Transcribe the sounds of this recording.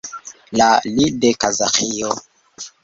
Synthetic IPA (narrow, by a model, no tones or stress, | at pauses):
lalidekazaqijo